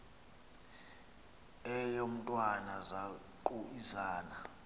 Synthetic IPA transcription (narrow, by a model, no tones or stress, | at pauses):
ɛjom̩tʼwanaza | kʼuizaːna